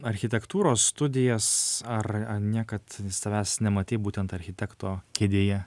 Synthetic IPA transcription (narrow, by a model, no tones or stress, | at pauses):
ɐɾʲxʲɪt̪ʲɛkt̪uːɾoːsːt̪ʊd̪ʲɪjɛsɐrɐnʲiɛkɐt̪sɐʋʲæːsnʲɛmɐt̪ʲeːbuːt̪ʲɛnt̪ɐɾʲxʲɪt̪ʲɛkt̪oːkʲeːd̪ʲeːjɛ